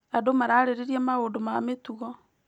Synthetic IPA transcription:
adomaɾaɾeɾeɾiɛmaɣodomametuɣɔ

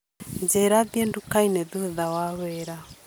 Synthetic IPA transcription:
ɲd͡ʒeɾaðjendukainɛðuðawaβɛɾa

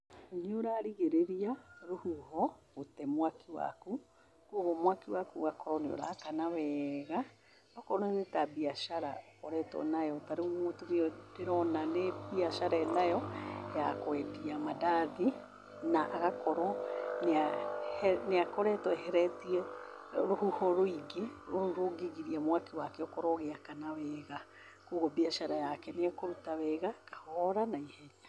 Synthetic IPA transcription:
nioɾaːɾiɣeɾeɾiaɾuhuɦo | utemwakiwa̰ku | kuoɣomwakiwakuɣakoɾonio̰ɾa̰ːkanaβɛɣa | okoɾonenetabiaʃaɾaokoɾɛto̰najotaɾeumuotumioteɾonanebiaʃaɾɛnajojakwɛtiamadaði | naʔaɣakɔɾɔneahneakɔɾɛtɔɛɦɛɾɛtiɛ | ɾohuhɔɾoiɡeoɾoɡeɣiɾiamwakewakɛɔkɔɾɔɣeakanawɛːɣa | kuɣɔbiaʃaɾajakɛneakoɾutawɛɣakḁhɔɾanaihɛɲa

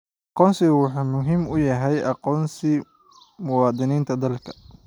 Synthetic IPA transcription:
ʔʔɑqɔːnsɪɣwɑħuːmʊɦiːmʊjɐɦɛjʔɑqɔːnsɪ | mʊwɑːd̪ɪniːnt̪ʰɐd̪ɐlkʰɐ̥

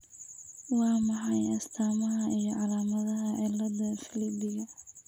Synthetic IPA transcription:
wɑːmɑħɑjɐst̪ʰaːmɐɦɐʔijɔʕɑlaːmɐðɐɦɐʕɪlːɐðɐfɪlɪbɪɣɐ

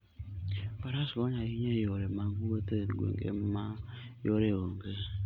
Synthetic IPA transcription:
baɾasoɲaiɲejoɾemaɡuwoteɡʷḛŋɡḛmajoɾewoŋɡe

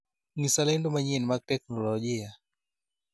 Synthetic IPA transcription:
nisalɛndɔmaɲiɛnimak̚tɛknɔlɔʄia

